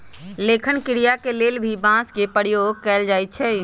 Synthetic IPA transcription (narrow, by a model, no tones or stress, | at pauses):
leːkʰənkɪɾijakeleːlbʱibãːskepəɽjoːɡ̚kɛːld͡ʒaːit͡ʃʰɛ